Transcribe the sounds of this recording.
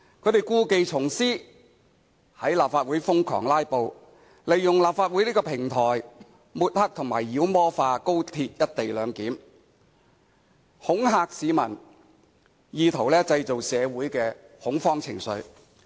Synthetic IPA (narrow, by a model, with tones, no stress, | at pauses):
kʰɵ˨˧˥t̪e˨jkuː˧ke˨jt͡sʰʊ˨˩ŋsiː˥ | hɐ˨˥jlaː˨p̚faː˧t̚wuː˨˥jfʊ˥ŋkʰɔ̰ː˨˩ŋlaː˥jpo˨˧w | le˨˩jjʊ˨ŋlaː˨p̚faː˧t̚wu˨˥jliː˥kɔː˧pʰɪ˨˩ŋt̪ʰɔː˨˩j | muː˨˧t̚hɐ˥k̚t̪ʰʊ˨˩ŋmaː˨˩jːiː˨˥wmɔː˥faː˧ko˥wt̪ʰiː˧t̚jɐ˥t̚t̪e˨jlœː˨˧ŋkiː˨˥m | hʊ˨˥ŋɦaː˧k̚siː˨˧mɐ˨˩n | jiː˨˧t̪ʰo˨˩wlɛː˥t͡sɐ˧jt͡so˨wsɛː˨˧wuː˨˥jkɛː˧hʊ˨˥ŋfɔː˥ŋt͡sʰɪ̰˨˩ŋsɵ̰˨˧ɥ